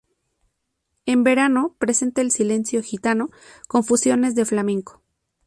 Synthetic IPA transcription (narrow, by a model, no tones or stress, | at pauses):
e̞mbe̞ɾano̞pɾe̞se̞nt̪aelsile̞nsjo̞xit̪ano̞ko̞ɱfusjo̞ne̞zðe̞flamẽ̞ŋko̥